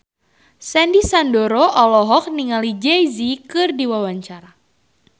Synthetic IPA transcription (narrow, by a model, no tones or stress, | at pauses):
sɛndisandɔɾoʔɔlɔɦɔk̚niŋalid͡ʒejzikɨrdiwawaɲt͡ʃaɾa